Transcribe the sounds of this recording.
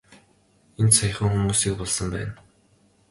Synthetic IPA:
ent̪saj̆χə̆ŋxumuːsiːk̚pɔɮsə̆mpæ̰ːn

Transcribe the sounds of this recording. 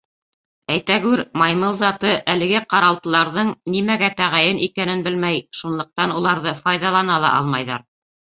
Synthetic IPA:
æjt̪æɡʉɾmɑjmɤlˠzɑt̪ɤʔælɘ̆ɡɘqɑɾɑlˠt̪ɤ̆lˠɑɾðɤɴnimæɡæt̪æʁæjɘnʔikænɘnbɘlmæjʃunlˠɤ̆q̚t̪ɑnulˠɑɾðɤfɑjðɑlˠɑnɑlˠɑ̰ʔɑlˠmɑjðɑ̰ɾ

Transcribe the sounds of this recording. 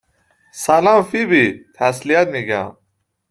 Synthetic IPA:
salãːmfibit̪ʰaslijat̪miɡã̰

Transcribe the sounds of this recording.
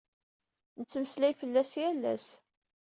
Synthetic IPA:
nət͡sːəmslæjfəlːæsjælːæ̰s

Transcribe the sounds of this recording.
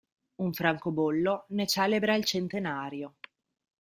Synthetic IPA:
uɱfɾaŋkobolːonet͡ʃɛːlebɾailt͡ʃent̪enaːɾjo

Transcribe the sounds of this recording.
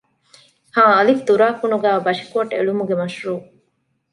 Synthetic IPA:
hãːɐlifd̪uɾaːkunuɡæːbɐʂi̥kuɐʈḛɭumuɡemɐʃɾuː

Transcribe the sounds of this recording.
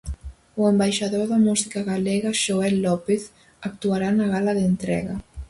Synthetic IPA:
uembajʃaðoðamusikaɣalɛɣaʃoɛlːɔpeθ | ak̚t̪uaɾanaɣalaðent̪ɾɛ̰ɣa

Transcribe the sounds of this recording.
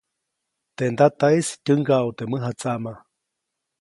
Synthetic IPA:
t̪end̪at̪aistʲɨŋɡaut̪eməɦat͡saʔma

